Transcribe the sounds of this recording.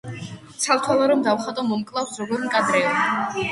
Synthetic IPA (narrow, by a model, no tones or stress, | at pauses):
t̪sʰalt̪ʰwalˠaɾɔmd̪awχat̪ʼɔmɔmkʼlˠafszɔɡɔɾŋkʼad̪ɾɛɔ